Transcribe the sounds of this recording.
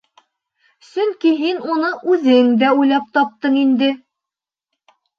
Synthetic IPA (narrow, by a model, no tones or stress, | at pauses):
sɵŋkiɦinunɤʔʉðɘŋd̪æujlˠɑp̚t̪ɒp̚t̪ɤɴind̪ɘ